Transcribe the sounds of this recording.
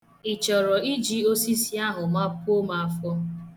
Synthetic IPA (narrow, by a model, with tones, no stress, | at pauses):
i˨t͡ʃɔ˨ɾɔ˨i˦d͡ʒi˦o˦si˦si˦a˦ɦʊ˨ma˦pʊ˦o˦ma˨a˨fɔ˦